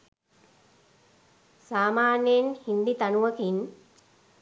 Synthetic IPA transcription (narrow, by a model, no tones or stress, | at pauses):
saːmaːnjenhind̪it̪anuʋəkin